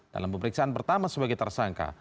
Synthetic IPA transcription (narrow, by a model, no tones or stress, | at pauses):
d̥a̰lampəməɾiksaʔanpərt̪amasəbaɡajt̪ərsaŋka̰